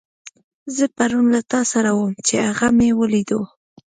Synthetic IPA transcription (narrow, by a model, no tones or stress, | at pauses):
zəpaɾunlat̪ɑsaɾawəmt͡ʃeaɣamewəlid̪o